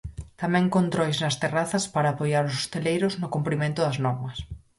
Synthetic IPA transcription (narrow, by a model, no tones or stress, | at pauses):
t̪amɛ̃ŋkont̪ɾɔjznɐst̪eraθɐspaɾaːpojaɾʊso̥st̪elejɾʊznʊkumpɾimẽnt̪ʊðɐznɔɾmɐs